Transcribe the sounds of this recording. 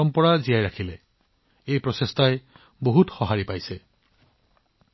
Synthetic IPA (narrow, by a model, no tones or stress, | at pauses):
ɔmpɔɹazijajɾakʰile | ejpɹɔsest̪ʰaje | boɦutxɔɦaɹipajse